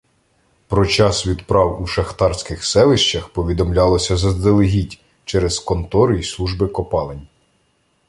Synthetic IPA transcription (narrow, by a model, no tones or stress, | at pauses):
pɾɔt͡ʃɑsʋʲid̪pɾɑwuʃɐxt̪ɑrsʲkɪxsɛlˠɪʃt͡ʃɐxpɔʋʲid̪ɔmlʲɑlˠɔsʲɐzɐzd̪elˠeɦʲitʲ | t͡ʃɛɾɛzkɔnt̪ɔɾʊislˠuʒbɪkɔpɑlˠenʲ